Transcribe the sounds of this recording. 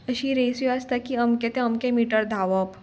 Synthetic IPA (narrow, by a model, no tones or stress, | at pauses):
əɕiːɾesiast̪akiəmket̪ẽəmkemiʈəɾd̪ʱaʋəp